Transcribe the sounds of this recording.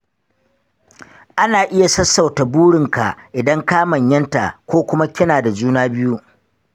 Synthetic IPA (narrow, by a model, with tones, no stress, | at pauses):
ʔa˦naː˨ʔɪ˦ja˨sɐ˦sːa˨wta˨buː˦ɽɪ˨ŋka˨ʔʔɪ˨dɐ˦ŋkaː˦mɐ˨ɲjɐ˦nta̰˨ʔkʷoː˦kʷʊ˦ma˦kʲɪ˦naː˨da˨d͡ʒuː˦naː˦bɪ˦ju˦ʔ